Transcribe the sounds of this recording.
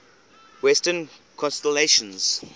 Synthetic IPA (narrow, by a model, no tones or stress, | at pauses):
wɛstən | kʰɔ̃nstəleʃə̃nz̥